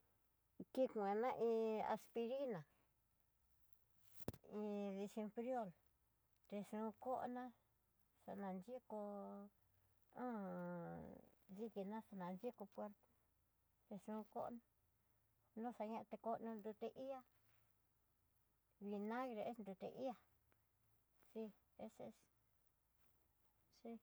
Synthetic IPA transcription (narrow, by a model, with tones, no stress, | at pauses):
ki˧kũ˧e˧nã˦ʔĩː˧a̰˧spi˧ɾi˦nã˨ | ĩ˧ði˧ʃi˧mpɾjo˦˨l | t̪e˧ʂũ˧ko˦ʔnã˦ | ʂa̰˧nã˨˧nd͡ʒi˦ko˧ | ã˦ | ði˧ki˧nã˦ʂa˧nã˨nd͡ʒi˦ko˧pwe˧ɾt̪o̥˦˨ | t̪e˧ʂũ˧ko̰˦ʔnã˦˧ | nõ˦˨ʂa˧ɲã˦˧ʔt̪e˧ko˧nũ˧nd̪u˧t̪e˧ʔi˦a˦ | βi˧nã˦ɣɾe˧e˦snd̪u˧t̪ḛ˧ʔi˦a˧ | si˦ | e˧sḛ˧˦s | si˦˧